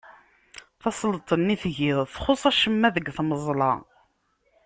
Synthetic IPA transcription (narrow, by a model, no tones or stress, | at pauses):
θɑsˤlt̪ˤənːiθʝiðˤθχʊsˤæʃəmːæðəɡθməzˤlɑ̰